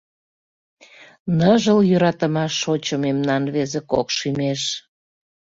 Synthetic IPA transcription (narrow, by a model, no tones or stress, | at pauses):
nəʒəljøɾɑt̪əmɑʃːot͡ɕəmemnɑnβezekokʃymeʃ